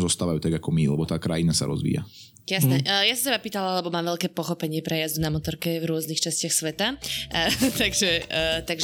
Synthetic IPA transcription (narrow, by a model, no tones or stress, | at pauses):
zɔst̪aːʋajuːt̪aɡakɔmilɛbɔt̪aːkɾajinasa̰ɾɔ̰zʋḭːja̰ | jasnɛʔjasɔt̪ɛbapiːt̪alalɛbɔmaːmʋɛʎkɛːpɔxɔpɛɲɪɛpɾɛjazd̪unamɔt̪ɔɾkɛvɾʊɔznixt͡ʃascɪaxsʋɛt̪a | t̪aɡʒɛt̪aɡʒ